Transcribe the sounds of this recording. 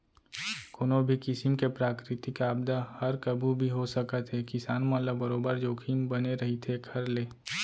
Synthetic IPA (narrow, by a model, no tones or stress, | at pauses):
koːnobʱikɪsɪmkepɾaːkɾɪt̪ikaːb̚d̪ahɐɾkəbʱubʱiɦosəkət̪ɦɛkɪsaːnmələbːɐɾoːbəɾd͡ʒoːkʰiːmbɐneɾɐɦit̪ʰeɡʰʱɐɾleː